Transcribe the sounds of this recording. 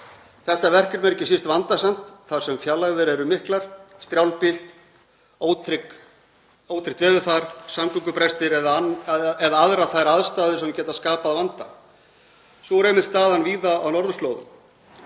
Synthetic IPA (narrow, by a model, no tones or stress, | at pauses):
θɛht̪avɛr̥cɪɾmɛɾcɪsist̪vant̪asam̥t̪θað̥sɛmfjalːaɣðɪɾɛɾʏmɪhklaɾ̥st̪ɾjawlpɪl̥t̪ | oːwt̪ɾɪk | oːwt̪ʰɾɪk̚t̪vɛːðʏfaɾ̥samklʏŋkʏpɾɛjst̪ɪɾɛðaɛðaaðɾaθajɾaðst̪aːðʏsɛncɛːt̪askaːpaðvant̪a | sɔɾejmɪnt̪st̪aːðanviːðaːwnɔɾðʏst̪lowðʏ̰